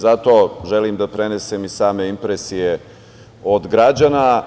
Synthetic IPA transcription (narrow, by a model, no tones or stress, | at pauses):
zat̪o̞ʒelimd̪apɾe̞ne̞semisaːme̞impɾesije | od̪ɡɾad͡ʑana